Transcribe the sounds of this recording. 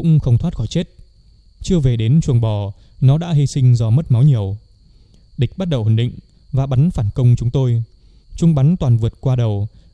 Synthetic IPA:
ʊ̰˧˥ŋ͡mxə˧wŋ͡mt̪ʰwaː˦˥t̚xɔ˧˩jt͡ɕe˦˥t̚ | t͡ɕɨ˧əve˨˩ɗe˨˦nt͡ɕwənɓɔ˨˩ | nɔ˨˦ɗa̰ː˧˥ɦi˧sï˧ŋ̟zɔ˧m˦˥t̚ma˨˦wɲi˨˩əw | ɗï˨˩k̟̚ɓa˦˥t̚ɗə˨˩whwə˧˩nɗḭ˧˨ŋ̟ | vaː˨˩ɓa˨˦nfaː˧˩nkə˧wŋ͡mt͡ɕʊ˨˦ŋ͡mt̪o˧j | t͡ɕʊ˧ŋ͡mɓa˨˦nt̪waː˨˩nvɨ˨˩ət̚kwaː˧ɗə˨˩w

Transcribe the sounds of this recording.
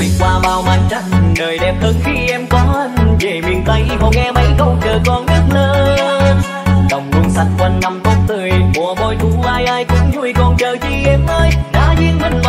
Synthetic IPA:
i˨˧˩kwaː˧maː˧˩wmaː˧˩nt͡ɕa˧˩jŋnəː˨˩jɗɛ˨˩p̚həː˧nxi˧ʔɛ˧mkɔ˨˦˧nve˨˩mi˨˩ənt̪ə˨˦jvɔ˨˧˩ŋɛ˧mə˨˦jkə˧˩wt͡ɕəː˨˩kɔ˨˧˩nnɨ˦˥k̚nəː˧˦˨ | ɗə˨˩wŋ͡mku˨˧˩ŋsa˦˥t̚kwə˨˩nːa˧˩mk̪o˧˦˥ŋ͡m̚t̪ɨ˨˩əjmu˨˩əɓɔ˧˩jt̪u˨˦maː˧jʔaː˧jk̪ɨ˨˦ŋzu˧˩əjkɔ˧˩nt͡ɕəː˨˩t͡ɕi˧˩ʔɛ˧˩mʔəː˧jɗaː˨˥zḭ˧˥ənmə˧˩ŋm

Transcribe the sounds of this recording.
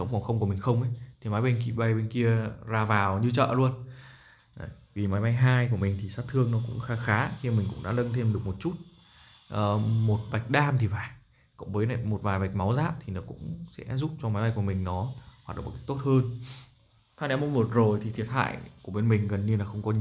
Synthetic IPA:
sə˨˦wŋ͡mfɔ˨˩wxə˧wku˧˩əmï˨˩ŋ̟xə˧wŋ͡mʔə˨˦t̪ʰi˨˩maː˨˦jɓe˧nkḭ˧˩ɓa˧jɓe˧nki˧əzaː˧˩vaː˨˩wɲɨ˧t͡ɕə̰ː˧˨lu˧ən˨˩ | jvi˨˩maː˨˦jɓa˧jɦaː˧jk̬u˧˩əmi˨˩ŋ̟t̪ʰi˨˩saː˦˥t̚t̪ʰɨ˧əŋnɔ˨˦kʊ̰˧˥ŋ͡mxaː˨˧xaː˨˦xi˧mi˨˩ŋ̟kʊ̰˧˥ŋ͡mɗa̰ː˧˥lə˧nt̪ʰe˧mɗɨ˨˩ək̚mo˨˩t̚t͡ɕu˦˥t̚ | ʔəː˨˩mo˨˩t̚va˨˩jk̟̚ɗaː˧mt̪ʰi˨˩vaː˨˩j | kʊ̰˧˥ŋ͡mvəː˨˦jna˨˩jmo˨˩t̚vaː˨˩jva˨˩jk̟̚ma˨˦wzaː˦˥p̚t̪ʰi˨˩nɔ˨˦kʊ̰˧˥ŋ͡msɛ̰˧˥zu˦˥p̚t͡ɕɔ˧maː˨˦jɓa˧jku˧˩əmï˨˩ŋ̟nɔ˨˦ɦwa˨˩t̚ɗ̰ə̰˧˨˩kːk̚to˦˥t̚həː˧n | fʰaː˧˥nɛ˨˦mo˧wŋ͡mvo˨˩t̚zo˨˩jt̪ʰi˨˩t̪ʰi˨˩ət̚ha̰ː˧˨jku˧˩ɓe˧nmï˨˩ŋ̟ɣə˨˩nɲi˧ənlaː˨˩xə˧wŋ͡mkɔ˨˦

